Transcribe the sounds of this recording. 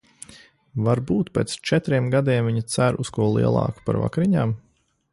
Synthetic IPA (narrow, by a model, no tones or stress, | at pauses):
vaɾbuːt̪pʲeːt̪st͡ʃɛt̪ɾiɛmɡad̪iɛmviɲit̪sæɾuskuɔlˠḭɛlˠɑ̰ːku̥pa̰ɾva̰kɾiɲaːm